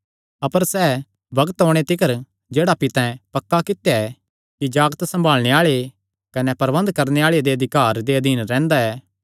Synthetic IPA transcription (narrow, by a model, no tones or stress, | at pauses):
ɐpəɾsɛː | bɐɡət̪ɦoːɽ̃et̪ɪkəɾ | d͡ʒeːɽapɪt̪ãpɐkːakɪt̪jaɛ | kid͡ʒaːɡt̪sɐ̃mbʱaːlɽ̃eaːɭe | kɐnɛpɐɾʋə̃nd̪kɐɾneaːɭed̪eɐd̪ʱɪkaːɾd̪eɐd̪ʱiːnɾɛ̃ːnd̪aɛː